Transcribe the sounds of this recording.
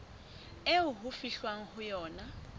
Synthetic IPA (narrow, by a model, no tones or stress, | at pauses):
euɦufiɬwaŋ̩hujɔːna